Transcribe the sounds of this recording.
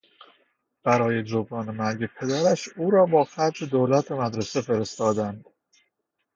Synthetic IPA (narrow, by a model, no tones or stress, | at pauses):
b̥æɾɒːje̞d͡ʒobɾɒːnemæɾɡe̞pʰe̞d̪æɾæʃuːɾɒːbɒːxæɾd͡ʒed̪oːlæt̪ʰemæd̪ɾesefeɾest̪ɒːd̪ænd̪̥